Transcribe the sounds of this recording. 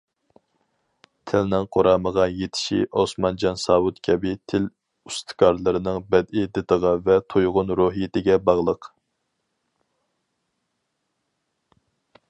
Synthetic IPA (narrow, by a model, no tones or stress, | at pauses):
t̪ʰɪlnɪŋqʰoɾɑːməʁɑjet̪ʰɪ̥ʃḭʔosmɑnd͡ʒɑnsɑːwut̪kʲʰɛbɪt̪ʰɪl | ust̪ʰɨ̥kʰɑɾlˠɨɾɨnɨŋbɛd̪ɪd̪et̪əʁɑvɛt̪ʰojʁʊnɾoɦijɪt̪ʰɪɡʲɛbɑʁlˠəq